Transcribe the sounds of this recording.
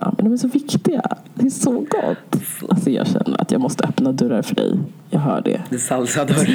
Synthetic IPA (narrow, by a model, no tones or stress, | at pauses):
amɛnd̪ɔmæʂɔvɪkt̪ɪɡa̰ | d̪̥ɛæʂɔɡɔ̰tt̪ːasɔjɑ̰ːɡɕɛnːəɾa̰t̪jɑːɡmɔst̪əœpnad̪ɵɾːaɾfœɖɛj | jɑːɡɦœːɖɛ̰d̪ɛsalsad̪ɔɾ